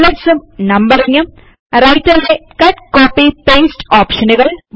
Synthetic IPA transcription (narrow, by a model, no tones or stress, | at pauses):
lɐʈsumnɐmbɐɾiŋːɐm | rɐjtːɐlːekɐʈkoːpːipeːsʈoːpʂɐnuɣɐɭ